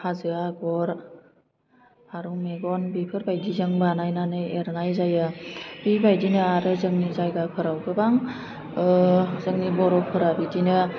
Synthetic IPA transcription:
hazɯaɡɔɾ | aɾumeɡɔnbipʰɯɾbajdizɯŋbanajnanɯeɾnajzajɯb̥ibajdinɯaɾɯzɯŋnizajɡakʰɯɾawɡɯbaŋ | zɯŋnibɔɾɔpʰɯɾabidinɯ

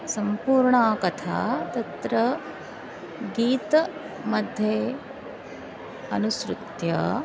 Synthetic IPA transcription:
sɐmpuːɾɳaːkɐt̪ʰa̰ːt̪ɐt̪ɾɐ | ɡiːt̪ɐ | mɐd̪ʱjeː | ɐnusɾut̪jɐ̰

